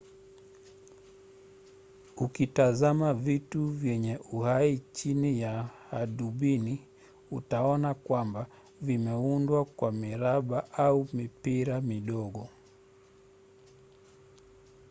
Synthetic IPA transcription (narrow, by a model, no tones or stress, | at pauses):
ukitazamavituvjɛɲɛʔuhait͡ʃinijahaɗuɓini | ṵtaɔnakwamba | vimɛundwakwamiɾaɓaʔaumipiɾamiɗɔɠɔ